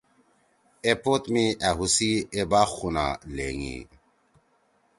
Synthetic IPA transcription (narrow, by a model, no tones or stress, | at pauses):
epot̪miʔaɦusiebaːxuna̰leŋḭ